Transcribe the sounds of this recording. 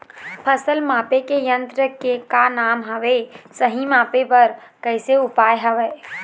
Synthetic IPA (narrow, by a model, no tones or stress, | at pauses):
pʰəsəlmapekejənt̪ɾəkekanamɦəʋesəɦimapepəɾkəɪseupajɦəʋe